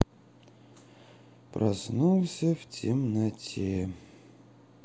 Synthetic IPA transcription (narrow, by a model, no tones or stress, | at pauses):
prɐ̰snulˠsʲəftʲɪmnɐtʲʰe